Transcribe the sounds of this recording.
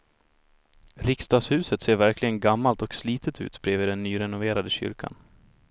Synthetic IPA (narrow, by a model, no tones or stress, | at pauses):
ɾɪkst̪ɑːɡshʉ̟ːsət̪seːɾvæɾklɪɡənɡamːalt̪ɔksliːt̪ʰət̪ʰʉ̟ːt̪b̥ɾeːviːd̪ɛnːyːɾɛnʊveːɾad̪əɕʏ̰ɾkʰa̰n